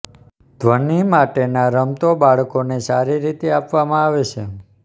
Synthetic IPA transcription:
d̪ʱʋənimaʈenaɾəmt̪obaɭkonesaɾiɾit̪eapʋamãaʋet͡ʃʰe

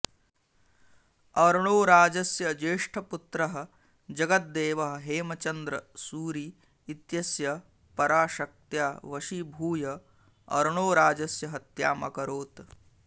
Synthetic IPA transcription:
ɐɾɳ̃oːɾaːd͡ʒɐsjɐd͡ʒeːʂʈʰɐput̪ɾɐɦɐ̆ | d͡ʒɐɡɐt̪̚d̪eːʋɐɦɐ̆ɦeːmɐt͡ʃɐnd̪ɾɐsuːɾiː | t̪jɐsjɐ | pɐɾaːʃɐk̚t̪jaːʋɐʃibʱuːjɐ | ɐ̰ɾɳoːɾaːd͡ʒɐsjɐɦɐt̪jaːmɐ̰kɐɾoːt̪

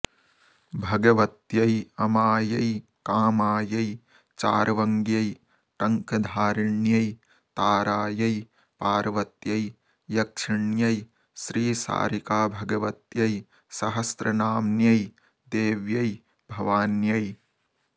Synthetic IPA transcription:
bʱɐɡɐʋɐt̪jɐjɐmaːjɐjkaːmaːjɐj | t͡ʃaːɾʋɐŋɡjɐj | ʈɐŋkɐd̪ʱaːɾɪɳjɐj | t̪aːɾaːjɐj | paːɾʋɐt̪jɐj | jɐkʂɪɳjɐj | ʃɾiːsa̰ːɾikaːbʱɐɡɐʋɐt̪jɐj | sɐɦɐst̪ɾɐnaːmnjɐj | d̪eːʋjɐj | bʱɐʋaːnjɐj

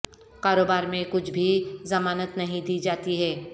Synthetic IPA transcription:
kaːɾoːbaːɾmẽkʊt͡ʃʰbʱizɐmaːnət̪nɐɦĩd̪iːd͡ʒaːt̪iɦɛː

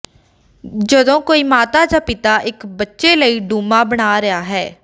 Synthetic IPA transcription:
d͡ʒəd̪õːkoːiːmaːt̪aːd͡ʒaːpɪt̪aːʔɪkbətːʃeːləiːɖuːmaːbəɽaːɾəaːɦɛː

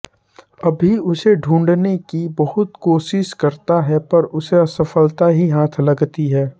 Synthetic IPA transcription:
ɐbʱiʊseɖʱũːɳɖnekibɐɦʊt̪koːʃɪʃkɐɾt̪aɦɛpɐɾʊseɐsɐfəlt̪aɦiɦaːt̪ʰlɐɡt̪iɦɛː

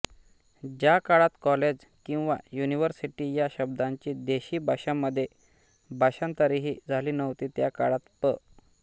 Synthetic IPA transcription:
d͡ʑjakaɭat̪kɔled͡ʑ | kĩw̃ʋa̰juniʋəɾsiʈijaɕəb̚d̪aɲt͡ɕid̪eɕiːbʱaɕamːəd̪ʱːje | bʱaɕãnt̪əɾiɦid͡zʱaliːnəʋt̪iːt̪jakaɭat̪pə̰

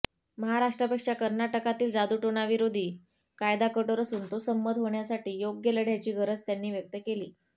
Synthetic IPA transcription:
məɦaɾaʂʈɾəpəkʂakəɾnaʈəkat̪iːld͡zad̪uʈoɳaʋiɾod̪ʱiː | kajd̪akəʈoɾəsuːnt̪osəmːəd̪ɦoɳjasaʈiːjoɡjələɽʱjat͡ɕiːɡʱəɾət͡st̪janːiːʋjək̚t̪əkeliː

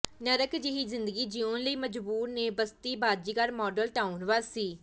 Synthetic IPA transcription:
nəɾəkd͡ʒɪɦiːzɪnd̪əɡiːd͡ʒiõːnləiːməd͡ʒbuːɾneːbəst̪iːbaːdd͡ʒiːkaɾmɔːɖəlʈaːunʋaːsiː

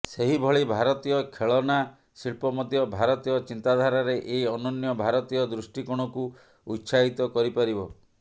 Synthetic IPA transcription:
seɦibʱɔɭibʱaɾɔt̪ijɔkʰeɭɔna | siɭpɔmɔd̪ʱjɔbʱaɾɔt̪ijɔt͡ʃint̪ad̪ʱaɾaɾeʔeiɔnɔnjɔbʱaɾɔt̪ijɔd̪ɾusʈikɔɽ̃ɔku | utːsaɦit̪ɔkɔɾipaɾibɔ

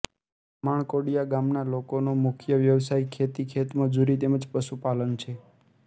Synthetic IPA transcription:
maɳ̃koɽijaɡamnalokonomʊkʰjəʋjəʋsaikʰet̪ikʰet̪məd͡ʒuɾit̪eməd͡ʒpəʃupalənt͡ʃʰe

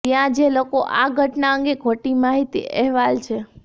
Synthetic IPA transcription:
jãd͡ʒelokoʔaɡʱəʈnaə̃ŋɡekʰoʈimaɦit̪ḭʔɛɦʋalt͡ʃʰe

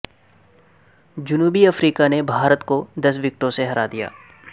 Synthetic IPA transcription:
d͡ʒʊnuːbiɐfɾiːkanebʱaːɾət̪kod̪ɐsʋɪk̚ʈõseɦɐɾad̪ija̰ː

